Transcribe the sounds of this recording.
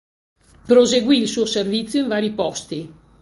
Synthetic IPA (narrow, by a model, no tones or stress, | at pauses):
pɾozeɡwiːlsuːoservit̪sːjoiɱvaːɾipɔst̪i